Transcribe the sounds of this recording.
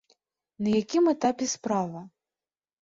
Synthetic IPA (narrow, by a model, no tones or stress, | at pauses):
nɐjakʲimɛt̪apʲɛspɾavɐ